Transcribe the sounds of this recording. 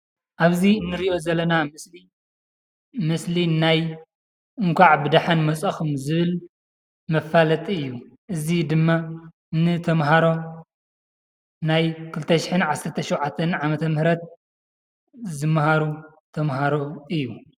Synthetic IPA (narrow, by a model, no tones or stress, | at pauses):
ʔaβziɨnːɨɾiʔo̞zɐlːɐnamɨsli | mɨslinaj | ɨŋkʷʰaʕbɨd̪aħanmɐt͡sʼɐxɨmzɨβɨl | mɐfːalɐt̪ʼɨjːuʔɨzid̪ɨmːa | nɨt̪ʰɐmɦaɾo̞ | najkʰɨlt̪ʰɐʃɪ̥ħɨnʕasːɐɾt̪ʰɐʃowʕat̪ʰːɐnʕamɐt̪ʰɐmhɨɾɐt̪̚ | zɨmːhaɾu | t̪ʰɐmɦaɾo̞ɨjːu